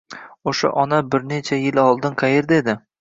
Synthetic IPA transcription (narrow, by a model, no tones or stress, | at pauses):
oʃa̰ʔɒnabɪɾnet͡ʃʰajɪlɒlˠd̪ɪnqʰɑjeɾd̪ed̪ɪ